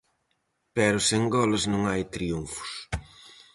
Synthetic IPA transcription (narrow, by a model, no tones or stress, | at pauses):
pɛɾʊseŋɡɔlɪznõŋajt̪ɾiuɱfʊ̥s